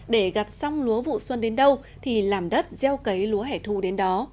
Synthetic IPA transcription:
ɗe˧˩ɣa˨˩p̚sa˧wŋ͡mlu˨˦əvṵ˧˨swə˧nɗe˨˦nɗə˧w | t̪ʰi˨˩laː˨˩mɗə˦˥t̚zɛ˧wkə˨˦jlu˨˦əɦɛ˧˩jt̪ʰu˧˩ɗe˨˦nɗɔ˨˦

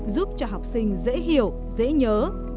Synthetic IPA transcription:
zu˦˥p̚t͡ɕɔ˧ɦa˨˩wk͡p̚sï˧ŋ̟zḛ˧˥ɦi˨əw | zḛ˧˥ɲəː˨˦

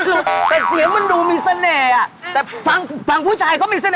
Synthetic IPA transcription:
lt̪ɛː˨˩si˨˩˦ma˧nduː˧miː˧sa˧nɛː˧˩a˨˩t̪ɛː˨˩pʰa˧ŋpʰa˧ŋpʰuː˦˥˩t͡ɕʰa˧jkɔː˥˩miː˧sa˧nː˧

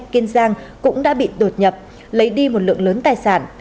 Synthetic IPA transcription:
ki˧nzaː˧ŋkʊ̰˧˥ŋ͡mɗa̰ː˧˥ɓḭ˧˨ɗo˨˩t̚ɲə˨˩p̚ | lə˨˦jɗi˧mo˨˩t̚lɨ̰˧˨əŋləː˨˦nt̪aː˨˩jsaː˧˩n

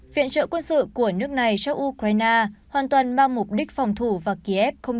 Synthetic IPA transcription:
vḭ˧˨ənt͡ɕə̰ː˧˨kwə˧nsɨ̰˧˨ku˧˩ənɨ˦˥ək̚na˨˩jt͡ɕa˧wʔu˧kɾaː˧jnaː˧hwaː˨˩nt̪waː˨˩nmaː˧ŋmʊ˨˩k͡p̚ɗï˦˥k̟̚fɔ˨˩wŋ͡mt̪ʰu˧˩vaː˨˩ki˧ʔɛ˦˥p̚xə˧wŋ͡m

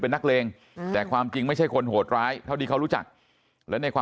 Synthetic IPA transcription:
pe˧nːa˦˥k̚leː˧ŋ | t̪ɛː˨˩kʰwaː˧mt͡ɕi˧ŋma˥˩jt͡ɕʰa˥˩jkʰo˧nɦoː˨˩t̪̚ɾaː˦˥jt̪ʰa˥˩wdiː˧kʰa˦˥˩ɾuː˦˥t͡ɕa̰˨˩k̚ | lɛː˦˥na˧jkʰwaː˧

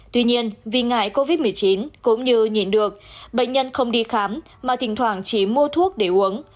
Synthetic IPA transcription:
t̪wi˧ɲi˧ənvi˨˩ŋa̰ː˧˩jko˧vi˦˥t̚mɨ˨˩əjt͡ɕi˨˦nkʊ̰˧˥ŋ͡mɲɨ˧ɲḭ˧˩nɗɨ˨˩ək̚ɓə̰˧˨ŋ̟ɲə˧nxə˧wŋ͡mɗi˧xaː˨˦m | maː˨˩t̪ʰï˨˩ŋ̟t̪ʰwaː˧˩ŋt͡ɕi˧˩mu˧ət̪ʰu˦˥ək̚ɗe˧˩ʔu˨˦əŋ

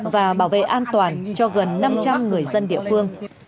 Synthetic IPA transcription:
vaː˨˩ɓaː˧˩wvḛ˧˨ʔaː˧nt̪waː˨˩nt͡ɕɔ˧ɣə˨˩nːa˧mt͡ɕa˧mŋɨ˨˩əjzə˧nɗḭ˧əfɨ˧əŋ

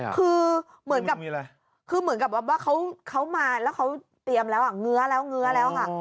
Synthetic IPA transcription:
kʰɯː˧ | mɯ˩˦ə˦nka˨˩˧ | kʰɯː˧mɯ˩˦nka˨˩p̚waː˧˩p̚waː˥˩kʰa˦˥wkʰa˦˥wmaː˧lɛː˦˥wkʰa˦˥w | t̪i˧əmlɛː˦˥wʔa˧˩ŋɯ˦˥ɐlɛː˦˥wŋɯ˧˦˥ɐlɛː˦˥wkʰa˥˩

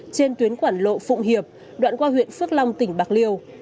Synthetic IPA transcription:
t͡ɕe˧nt̪wi˨˦ənkwaː˧˩nlo̰˧˨fʊ̰˧˨wŋ͡mɦi˨˩əp̚ | ɗwa̰ː˧˨nkwaː˧ɦwḭ˧˨ənfɨ˦˥ək̚la˧wŋ͡mt̪ï˧˩ŋ̟ɓaː˨˩k̚li˧əw

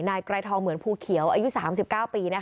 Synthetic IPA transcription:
naː˧jkɾaː˧jt̪ʰɔː˧ŋmɯ˩˦ənpʰuː˧˩kʰi˨˩˦əwʔaː˧ju˦˥saː˩˦msi˨˩p̚kaː˥˩wpiː˧na˦˥

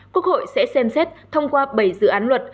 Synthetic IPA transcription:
kwu˦˥ək̚ho̰˧˨jsɛ̰˧˥sɛ˧msɛ˦˥t̚t̪ʰə˧wŋ͡mkwaː˧ɓə˨˩jzɨ̰˧˨ʔaː˨˦nlwə˨˩t̚

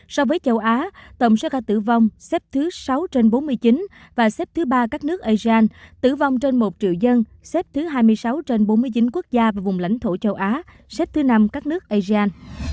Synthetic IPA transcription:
sɔ˧vəː˨˦jt͡ɕə˧˩wʔaː˨˦t̪ə̰˧˩wŋ͡msɛ̰˧˥kaː˧˩t̪ɨ̰˧˩va˧wŋ͡msɛ˦˥p̚t̪ʰɨ˨˦sa˨˦wt͡ɕe˧nɓo˨˦nmɨ˧əjt͡ɕi˨˦n | vaː˨˩sɛ˦˥p̚t̪ʰɨ˨˦ɓaː˧kaː˦˥k̚nɨ˦˥ək̚ʔaː˧zi˧ʔaː˧nt̪ɨ̰˧˩va˧wŋ͡mt͡ɕe˧nmo˨˩t̚t͡ɕḭ˧˨əwzə˧n | sɛ˦˥p̚t̪ʰɨ˨˦ɦaː˧jmɨ˧əjsa˨˦wt͡ɕe˧nɓo˨˦nmɨ˧əjt͡ɕi˨˦nku˦˥ək̚zaː˧vaː˨˩vʊ˨˩ŋ͡mla̰˧˥jŋ̟t̪ʰo˧˩t͡ɕə˧wʔaː˨˦ | sɛ˦˥p̚t̪ʰɨ˨˦na˧mkaː˦˥k̚nɨ˦˥ək̚ʔaː˧zi˧aː˧n

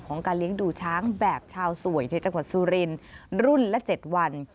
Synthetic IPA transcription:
kʰɔː˩˦ŋkaː˧nli˦˥əŋduː˧˩t͡ɕʰaː˦˥ŋbɛː˨˩p̚t͡ɕʰaː˧wsu˨˩əjna˧˩t͡ɕa˧ŋwa˨˩t̪̚suː˧ɾi˧nɾu˥˩nlɛ˦˥t͡ɕe˨˩t̪̚wa˧n

